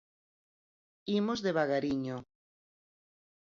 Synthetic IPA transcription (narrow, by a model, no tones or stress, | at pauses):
imozðeβaɣaɾiɲo